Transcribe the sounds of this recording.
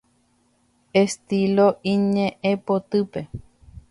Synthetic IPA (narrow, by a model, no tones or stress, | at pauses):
est̪iloʔĩɲẽʔẽpot̪ɨpe